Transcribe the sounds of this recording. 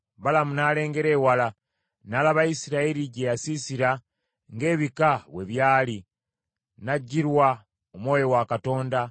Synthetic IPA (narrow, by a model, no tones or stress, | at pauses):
βalamunaːle̞ːŋɡe̞ɾe̞ːwala | nalaβaisiɾaeɾiɟejasisiɾa | ŋɡe̞ːβikawe̞βjaːli | naɟːiɾwa | omwo̞ːjo̞wakato̞ːnda